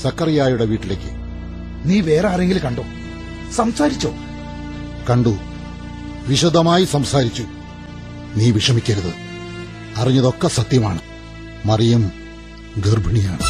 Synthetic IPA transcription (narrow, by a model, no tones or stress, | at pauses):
sɐkːɐrijaːjuɽeʋiːʈːile̞ːkːɨ | niːʋe̞ːraːreŋɡilkɐɳɖoː | sɐmsaːɾit͡ɕːo̞̰ː | kɐɳɖu | ʋiɕɐd̪ʱɐmaːjisɐmsaːɾit͡ɕːu | niːʋiʂɐmikʲːɐɾɐðɨ | ɐriɲːɐðo̞kːesɐt̪jɐma̰ːɳɨ | mɐrijɐm | ɡerbʱɐɳijaːɳɨ